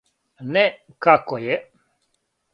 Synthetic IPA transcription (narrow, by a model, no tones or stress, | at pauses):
nɛ | kakojɛ